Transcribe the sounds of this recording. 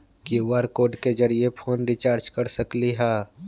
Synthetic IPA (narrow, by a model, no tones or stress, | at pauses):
kjuʋaːɾkoːɖked͡ʒəɾiepʰoːnɾit͡ʃaːɾd͡ʒkɐɾsəkliɦɛː